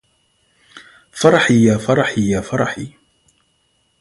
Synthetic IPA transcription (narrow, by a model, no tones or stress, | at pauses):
fɑɾˤɑħijaːfɑɾˤɑħijaːfɑɾˤɑħi